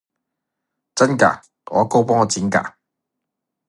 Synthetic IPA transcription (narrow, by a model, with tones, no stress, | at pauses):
t͡sɐ˥nka̰ː˨˩ | ɔː˨˧˥ko˥wpɔː˥ŋɔ˨˧t͡siː˨˥nka̰ː˧